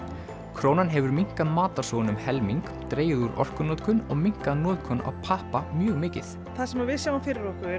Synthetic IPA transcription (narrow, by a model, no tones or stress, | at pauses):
kʰɾoːwnanɦɛvʏɾmiŋ̥kaðmaːt̪ḁsoːwnʏmhɛlmiŋk | t̪ɾeːjɪðuɾɔ̰r̥kʏnɔːt̪kʰʏnɔɣmiŋ̥kaðnɔːðkʰɔna̰wpʰahpamjœːɣmɪːcɪ̰θ | θasɛmaɾvɪðsjaːwãfɪːɾɪɾɔhkʏ